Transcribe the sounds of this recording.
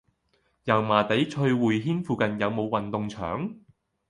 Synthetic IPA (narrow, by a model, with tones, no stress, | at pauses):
jɐ˨˩wmaː˨˩t̪e˨˥jt͡ʃʰɵ˧ɥwuː˨jɦiː˥nfuː˧kɐ˨njɐ˨˧wmo˨˧wɐ˨˩nt̪ʊ˨˧ŋt͡ʃʰœ̰ː˨˥ŋ